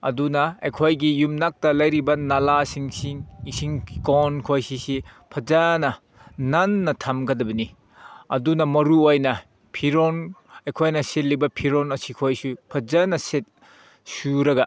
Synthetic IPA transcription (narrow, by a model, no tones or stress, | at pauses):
ɐ̰dunɐɐjkʰojɡijumnak̚tɐlɐjɾibɐnalasiŋsiŋisiŋkonkʰojsisipʰɐzanɐ | nanːɐtʰamɡɐdɐbɐni | ɐ̰dunɐmɐɾuojnɐ | pʰiɾonɐjkʰojnɐsetlibɐpʰiɾonɐsikʰojsupʰɐzanɐset̚ | suɾɐɡɐ